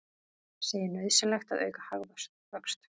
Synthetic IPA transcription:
seːjɪnœðsʏlɛxt̪aðœ̰ːɥkahaɣðasthœkst̪

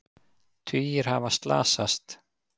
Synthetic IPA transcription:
t̪ʰʏːjɪɾ̥ha̰vast̪la̰ːsast̪

